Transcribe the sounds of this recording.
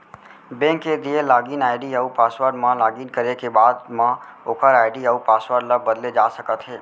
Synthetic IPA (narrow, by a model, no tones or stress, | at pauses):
bẽːŋkːed̪ielaːɡiːnaːɪɖiəupaːswəɾɖmãlaːɡiːnkəɾekebaːd̪mãoːkʰəɾaːɪɖiəupaːsʋəɾɖləbəd̪led͡ʒaːsəkət̪ɦɛː